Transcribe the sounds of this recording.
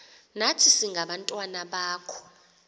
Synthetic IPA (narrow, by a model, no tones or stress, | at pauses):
natʰisiŋʱaɓantʼwanaɓaːkʰɔ̥